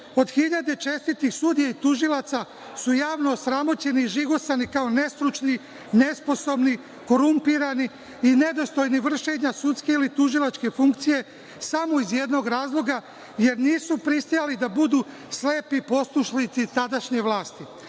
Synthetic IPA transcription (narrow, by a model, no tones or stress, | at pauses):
o̞d̪xiʎad̪e̞t͡ʃe̞st̪it̪ixsud̪ijait̪uʒilat̪sa | sujaːʋno̞sɾamo̞t͡ɕe̞niʒiɡo̞sanikaone̞st̪ɾut͡ʃni | ne̞spo̞so̞bni | ko̞ɾumpiɾani | ine̞d̪o̞st̪o̞jniʋr̩ʃe̞ɲasut̪ske̞ilit̪uʒilˠat͡ʃke̞fuŋkt̪sije̞ | samo̞izje̞d̪no̞ɡɾaːzlˠo̞ɡa | je̞ɾniːsupɾist̪ijalid̪abud̪uː | sle̞ːpipo̞sˠuʃlit̪sit̪ad̪aʃɲe̞ʋlˠaːst̪i